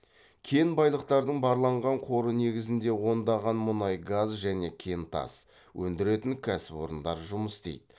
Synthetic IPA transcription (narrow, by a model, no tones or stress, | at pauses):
kʲʰe̞nbɑjlˠəqt̪ɑɾd̪əɴbɑɾlˠɑɴʁɑɴqʰo̞ɾəne̞ɡʲɪzɪnd̪e̞wo̞nd̪ɑʁɑnmʊnɑjɡazʒæne̞kʲʰe̞nt̪ʰɑ̰s | wʔɵnd̪ɪɾe̞t̪ɪŋkʲʰæsɪpo̞ɾənd̪ɑɾʒʊməst̪ejd̪ɪ